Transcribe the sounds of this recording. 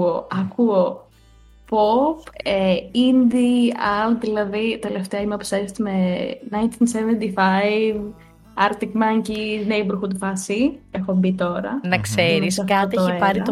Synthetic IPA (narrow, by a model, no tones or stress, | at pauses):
oʔɐkuo | popeind̪iɐlðilɐðit̪eleft̪eɐimɐpu̥seɾst̪imenɐjnt̪insevent̪ifajv | ɐɾt̪ikmɐɲciznejbuɾxud̪ufɐsie̞xobit̪o̞ɾɐnɐkseɾɾisɐfkɐot̪it̪eoiepɐɾiɐ